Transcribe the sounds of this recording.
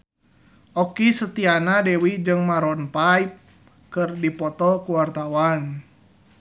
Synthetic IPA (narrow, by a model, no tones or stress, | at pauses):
ʔɔkisət̪ianadɛwid͡ʒɨŋmaɾɔnpajp̚ | kɨrdipɔt̪ɔkuwart̪awan